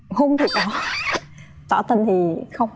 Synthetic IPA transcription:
ho˧ŋ͡mt̪ʰi˨˩ɗɔ˨˦ | t̪wa̰˧˩t̪ə˧nt̪ʰi˨˩xə˧wŋ͡m

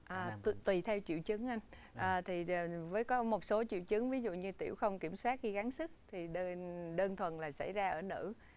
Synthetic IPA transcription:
ʔaː˨˩˧t̪wi˨˩t̪ʰɛ˧wt͡ɕḭ˧˨wt͡ɕɨ˨˦ŋʔa˧ŋ | ʔaː˨˩t̪ʰiː˨˩˨vəː˨˦jkɔ˨˦mo˨˩t̚so˨˦t͡ɕḭ˧˨əwt͡ɕɨ˨˦ŋvi˨˦zṵ˧˨ɲɨ˧t̪i˧˩əwxə˧wŋ͡mki˧˩əmswaː˦˥t̚i˧ɣa˨˦nsɨ˦˥k̚t̪ʰi˨˩ɗə˧nɗəː˧nt̪ʰwə˨˩nlaː˨˩sa̰˧˩jzaː˧ʔəː˧˩nɨ̰˧˥

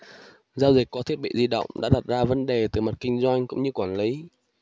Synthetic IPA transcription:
zaː˧wzi˨˩k̟̚kɔ˨˦t̪ʰi˦˥ət̚ɓḭ˧˨zi˧ɗə̰˧˨wŋ͡mɗa̰ː˧˥ɗa˨˩t̚zaː˧və˨˦nɗe˨˩t̪ɨ˨˩ma˨˩t̚kï˧ŋ̟zwa˧jŋ̟kʊ̰˧˥ŋ͡mɲɨ˧kwaː˧˩nli˨˦

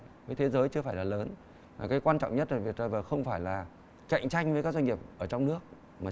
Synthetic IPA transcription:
vəː˨˦jt̪ʰe˨˦zəː˨˦jt͡ɕɨ˧əfaː˧˩jlaː˨˩ləː˨˦n | maː˨˩kaː˨˦jkwaː˧nt͡ɕɔ̰˧˨wŋ͡mɲə˦˥t̚ːo˧˩vi˨˩ət̚ɗəː˧˩vəː˨˩xə˧wŋ͡mfaː˧˩jlaː˨˩ | ka̰˧˨jŋ̟t͡ɕa˧jŋ̟vəː˨˦kaː˦˥kza˧ŋi˨˩əp̚ʔəː˧˩t͡ɕɔ˧wŋ͡mnɨ˦˥ək̚ | maː˨˩

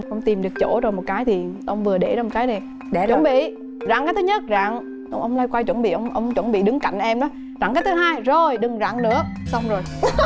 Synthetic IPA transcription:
ʔə˧wŋ͡mt̪i˨˩mɗɨ˨˩ək̚t͡ɕo̰˧˥zo˨˩jmo˨˩t̚kaː˨˦jt̪ʰi˨˩ʔə˧wŋ͡mvɨ˨˩əɗe˧˩zaː˧m̚˨˩kaː˨˦jne˨˩˧ | t͡ɕwə˧˩˦nɓḭ˧˨ | za̰ː˧˨ŋkaː˨˦jt̪ʰɨ˨˧˦ɲə˦˥t̚za̰ː˧˨ŋ | ʔə˧wŋ͡mʔə˧wŋ͡mlaː˧jkwaː˧jt͡ɕwə˧˩nɓḭ˧˨ʔə˧wŋ͡mʔə˧wŋ͡mt͡ɕwə˧˩nɓḭ˧˨ɗɨ˨˦ŋka̰˧˨jŋ̟ʔɛ˧mɗɔ˨˦ | za̰˧˨ŋkaː˨˦jt̪ʰɨ˨˦ɦaː˧jzo˨˩jɗɨ˨˩ŋza̰ː˧˨ŋnɨ̰˧˥əsa˧wŋ͡mzo˨˩j

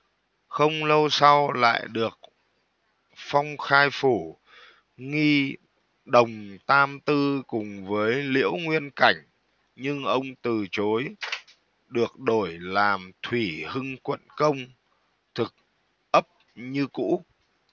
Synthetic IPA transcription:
xə˧wŋ͡mlə˧wsa˧wla̰ː˧˨jɗɨ˨˩ək̚ | fa˧wŋ͡mxaː˧jfu˧˩ | ŋi˧ | ɗə˨˩wŋ͡mt̪aː˧mt̪ɨ˧kʊ˨˩ŋ͡mvəː˨˦jlḭ˧˥əwŋwi˧ənka˧˩jŋ̟ | ɲɨ˧ŋʔə˧wŋ͡mt̪ɨ˨˩t͡ɕo˨˦j | ɗɨ˨˩ək̚ɗo˧˩jlaː˨˩mt̪ʰwi˧˩hɨ˧ŋkwə̰˧˨nkə˧wŋ͡m | t̪ʰɨ˨˩k̚ | ʔə˦˥p̚ɲɨ˧kṵ˧˥

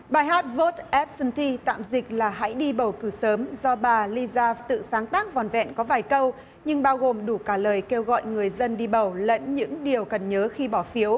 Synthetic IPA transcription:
ɓaː˨˩jɦaː˦˥t̚vo˦˥t̚ʔɛ˦˥p̚sɨ˧nt̪ʰi˧t̪a̰ː˧˨mzï˨˩k̟̚laː˨˩ɦa̰˧˥jɗi˧ɓə˧˩wkɨ˧˩səː˨˦mzɔ˧ɓaː˨˩li˧zaː˧t̪ɨ̰˧˨saː˨˦ŋt̪aː˦˥k̚vɔ˨˩nvɛ̰˧˨nkɔ˨˦vaː˨˩jkə˧w | ɲɨ˧ŋɓaː˧wɣo˨˩mɗu˧˩kaː˧˩ləː˨˩jke˧wɣɔ̰˧˨jŋɨ˨˩əjzə˧nɗi˧ɓə˨˩wlə̰˧˥nɲɨ̰˧˥ŋɗi˨˩əwkə˨˩nɲəː˨˦xi˧ɓɔ˧˩fi˨˦əw

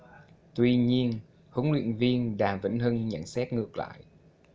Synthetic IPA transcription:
t̪wi˧ɲi˧ən | hʊ˨˦ŋlwḭ˧˨ənvi˧ənɗaː˨˩mvḭ˧˩ŋhɨ˧ŋɲa̰˧˩nsɛ˦˥t̚ŋɨ˨˩ək̚la̰ː˧˨j

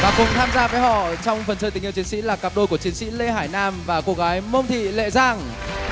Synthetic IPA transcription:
vaː˨˩kʊ˨˩ŋ͡mt̪ʰaː˧mzaː˧vəː˨˦jɦɔ̰˧˨t͡ɕɔ˧wŋ͡mfə˨˩nt͡ɕʰəː˧˩t̪i˨˩ŋht͡ɕi˨˦ənsḭ˧˥laː˨˩kaː˨˩p̚ɗo˧jku˧˩ət͡ɕi˨˦ənsḭ˧˥le˧ɦaː˧˩jnaː˧mvaː˨˩ku˧˥ək̚ɣaː˨˦jmə˧wŋ͡mt̪ʰḭ˧˨lḛ˧˨zaː˧˩ŋ

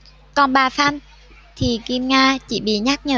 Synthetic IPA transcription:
kɔ˧˩nɓaː˨˩fa˧n | t̪ʰi˨˩ki˧mŋaː˧t͡ɕḭ˧˥ɓḭ˧˨ɲa˦˥k̚ɲəː˧˨˩

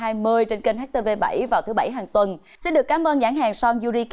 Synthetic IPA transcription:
aː˧jmɨ˧əjt͡ɕe˧nke˧nha˦˥k̚t̪e˧ve˧ɓa̰˧˩jvaː˨˩wt̪ʰɨ˨˦ɓa˧˩jɦaː˨˩ŋt̪wə˨˩n | si˧nɗɨ˨˩əkːaː˨˦mʔəː˧nza̰ː˧˥˩ŋɦa̰ː˨˩ŋsɔ˧zu˧zi˧k

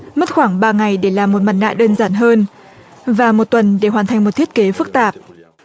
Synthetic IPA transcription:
mə˦˥t̚xwaː˧˩ŋɓaː˧ŋa˨˩jɗe˧˩laː˨˩mːo˨˩t̚ma˨˩t̚ŋa̰ː˧˨ɗəː˧nzaː˧˩nɦəː˧n | vaː˨˩mo˨˩t̚t̪wə˨˩nɗe˧˩ɦwaː˨˩nt̪ʰa˨˩jŋmo˨˩t̚t̪ʰi˦˥ət̚ke˨˦fɨ˦˥k̚t̪aː˨˩p̚

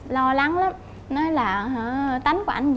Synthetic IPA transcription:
lɔ˧la˨˦ŋla˨˦m | nɔ˨˦jlaː˨˩ɦt̪a˨˦jŋku˧˦ʔa˧jŋ̟z

